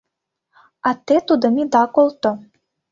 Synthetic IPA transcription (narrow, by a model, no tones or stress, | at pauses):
ɑt̪et̪ud̪ə̆mid̪ɑkolˠt̪o